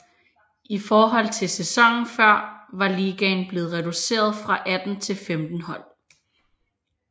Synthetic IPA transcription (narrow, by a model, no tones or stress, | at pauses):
ʔifɒːɦɒ̽l̰t͡sʰe̝sesɒ̽ŋ̰n̩fɶɐ̰ʋɑ̈liːɡ̥ɛnb̥le̝ːð̞̩ˠʁɛd̥use̝̰ːɐð̞ˠfʁɑ̈ʔæd̥n̩t͡sʰe̝lfemd̥n̩hɒ̽l̰